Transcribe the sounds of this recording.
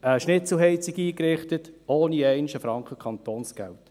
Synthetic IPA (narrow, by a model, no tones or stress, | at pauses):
əʃnɪt͡sl̩ɦɛɪt͡siɡiːkrɪχtətoːniɛɪnʃəfɾɑŋkʰχəkʰχɑnt̪oːnsɡ̥ɛ̰lt